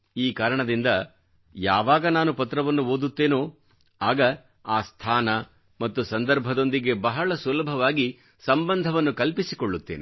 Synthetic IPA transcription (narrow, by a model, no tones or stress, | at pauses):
iːkaːɾɐɳɐd̪ind̪ɐ | ja̰ːʋaːɡɐnaːnupɐt̪ɾɐʋɐnːuoːd̪ut̪ːe̞ːnoː | aːɡɐ | aːst̪ʰaːnɐ | mɐt̪ːusɐnd̪ɐɾbʱɐd̪o̞nd̪iɡe̞bɐɦɐɭɐsulɐbʱɐʋaːɡi | sɐmbɐnd̪ʱɐʋɐnːukɐlpisikoɭːut̪ːe̞̰ːnḛ